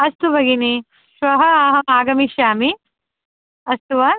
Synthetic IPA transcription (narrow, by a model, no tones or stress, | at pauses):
ɐst̪ubʱɐɡini | ʃʋɐɦɐɐɦɐmaːɡɐmiʃjaːmi | ɐst̪uʋɐ